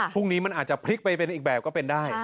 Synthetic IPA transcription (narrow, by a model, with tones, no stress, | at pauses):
pʰu˥˩ŋniː˦˥ma˧nʔaː˨˩t͡ɕa˨˩pʰli˦˥k̚pa˧jpe˧nʔiː˨k̚bɛː˨˩p̚kɔ˥˩pe˧ndaː˥˩j